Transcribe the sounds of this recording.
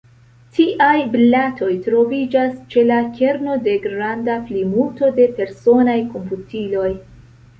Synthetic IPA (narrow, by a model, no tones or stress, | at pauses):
tiʔajblatʰo̞jtɾo̞vid͡ʒast͡ʃe̞lakʰe̞ɾno̞de̞ɡɾandaplimuto̞de̞pe̞ɾso̞najko̞mputilo̞j